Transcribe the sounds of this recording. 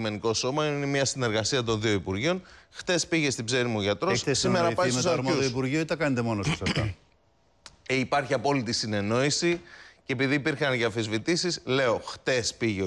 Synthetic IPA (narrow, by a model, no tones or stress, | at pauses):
me̞niko̞so̞mɐinemɲɐsine̞ɾɣɐsiɐt̪̬o̞nðio̞ipuɾʝio̞nxt̪e̞spiʝe̞st̪ibze̞nimuʝɐt̪ɾossimeɾɐpɐssɐuðoipuɾʝioet̪ɐkɐnet̪emo̞nost̪i̥sɐɐ̰ | eipɐɾçiɐpo̞lit̪isine̞no̞isicepiðiːpiɾxɐnʝɐfizvit̪isisle̞oxt̪e̞spiʝe